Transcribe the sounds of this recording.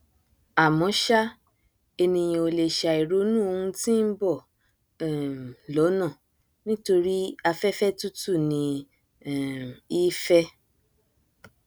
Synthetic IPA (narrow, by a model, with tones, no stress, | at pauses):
a˨mɔ̃˨˦ʃa˦ | e˧nĩ˧j̃ĩ˧o˧le˨ʃa˨i˨ɾo˨˦nũ˦o˧hũ˧ti˦n̩˦bɔ˦˨ | ɛ˨lɔ˨˦nã˦˨ | nĩ˦to˧ɾi˦a˧fɛ˦fɛ˦tu˦tu˦˨nĩ˧˨ | i˦fɛ˦